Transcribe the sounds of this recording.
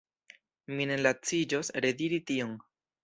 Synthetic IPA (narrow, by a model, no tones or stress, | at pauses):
mine̞lat͡sid͡ʒo̞sɾe̞diɾitio̞n